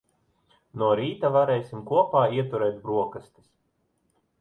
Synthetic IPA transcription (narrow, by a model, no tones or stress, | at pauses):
nuɔɾiːt̪avaɾɛːjsʲimkuɔpaːiɛt̪uɾɛjt̪bɾuɔkast̪i̥s